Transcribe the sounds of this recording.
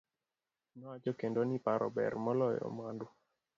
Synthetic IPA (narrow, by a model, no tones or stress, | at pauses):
nɔad͡ʒɔkendonipaɾɔ̰bɛ̰rmɔlɔjɔ̰mwandu